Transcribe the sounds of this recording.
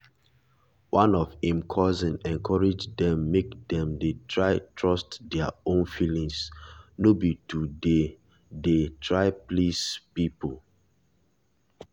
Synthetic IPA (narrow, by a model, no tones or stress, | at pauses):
wʔãnɔfhĩmkʰɔzɛ̃nɛ̃nkʰɔɹid͡ʒdɛ̃mːekdɛ̃mdetʰɹaɪtʰɹɔstdɛaõnfilĩŋsnobitude | detʰɹaɪplispipol